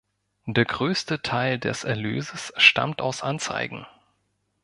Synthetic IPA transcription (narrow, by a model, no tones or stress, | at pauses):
d̥eːɐɡʁøːstətʰaɪldɛ̰sɛɐlø̰ːzəsʃta̰mtaʊsʔant͡sa̰ɪɡŋ̩